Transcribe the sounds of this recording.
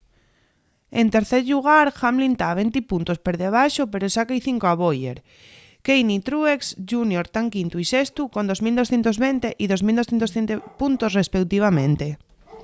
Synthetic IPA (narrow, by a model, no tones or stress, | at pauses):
ent̪eɾθeɾʎuɣ̞aɾxamlint̪aβent̪ipunt̪ospeɾðeβ̞ajʃopeɾosakajθiŋkoaβ̞ojḛɾ | kejnit̪ɾueksʒunjoɾt̪aŋkint̪uisest̪ukond̪ozmild̪o̞sθjent̪ozβent̪eʔiðozmild̪oθent̪osθent̪epunt̪osrespekt̪iβ̞amẽnt̪e